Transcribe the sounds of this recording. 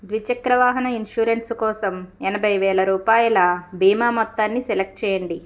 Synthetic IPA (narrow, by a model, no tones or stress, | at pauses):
d̪ʋit͡ʃɐkɾɐʋaːɦɐnɐinʂuːɾenʈskɔːsɐmɛnɐbʱɐjʋɛːɭɐɾuːpaːjɐlɐbʱiːmaːmɔt̪ːaːnːisɛlek̚ʈ̚t͡ʃɛːjɐɳɖi